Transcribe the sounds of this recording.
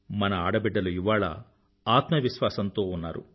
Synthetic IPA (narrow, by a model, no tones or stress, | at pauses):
mɐnɐaːɽɐbɛɖːɐluiʋaːɭɐ̰ | aːt̪mɐʋiʃʋaːsɐnt̪o̞ːunːa̰ːɾṵ